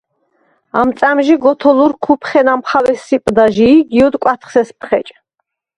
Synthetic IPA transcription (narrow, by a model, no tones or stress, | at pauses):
amt̪sʼamʒiɡɔt̪ʰɔluɾkʰupʰχɛnamχawɛsipʼd̪aʒiːɡiɔd̪kʼwat̪ʰχsɛspʰχɛ̰t͡ʃʼ